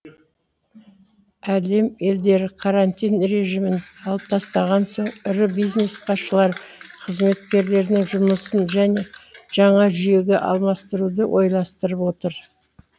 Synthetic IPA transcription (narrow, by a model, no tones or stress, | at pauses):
æle̞me̞ld̪e̞ɾɪqʰɑɾant̪ijnɾe̞ʒimɪnɑlˠəp̚t̪ʰɑst̪ɑʁɑnso̞ɴʏɾɪbijzne̞sbʰɑsʃəlˠɑɾqʰəzme̞t̪kʲe̞ɾle̞ɾnɪŋʒʊməsənʒæne̞ʒ̥ɑɴɑʒʏje̞ɡʲeʔɑ̰lˠmɑst̪əɾud̪əwʔo̞jlˠɑst̪əɾəpwo̞t̪əɾ